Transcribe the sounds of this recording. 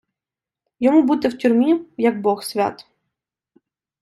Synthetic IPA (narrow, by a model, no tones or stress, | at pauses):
jɔmubut̪ɪwtʲʊrmʲijɐɡ̚bɔxsʲʋʲa̰t̪